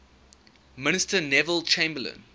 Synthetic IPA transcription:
mɪnɪstənɛvəlt͡ʃʰẽɪ̃mbələ̰̃n

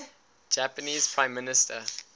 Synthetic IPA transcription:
d͡ʒæpəniːz̥pʰɹãɪ̃mːɪnɪstʰə

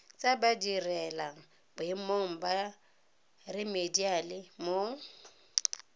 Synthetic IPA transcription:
t͡sʼabadirɛlaŋ̩ | bʊɪmoŋ̩ba | rɪmedialɪmo

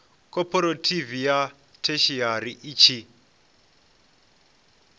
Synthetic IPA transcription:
kʼɔpʰʼɔɾotʰʼivija | tʰeʃiaɾiʔit͡ʃʰi

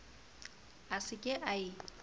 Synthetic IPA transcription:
asɪkʼɪʔaɪ

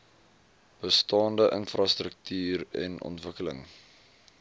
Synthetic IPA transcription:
b̥əstɑːndəʔənfrɑstɾək̚tyːɾɛ̰nʔɔ̰ntvəkələ̰ŋ

